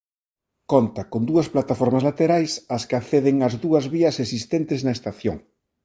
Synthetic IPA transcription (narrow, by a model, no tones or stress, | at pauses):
kont̪ɐkond̪uɐsplat̪afɔɾmɐzlat̪eɾajsɐskɪaθeðeŋɐzðuɐzβiɐsesist̪ent̪ɪznɐest̪aθjo̰ŋ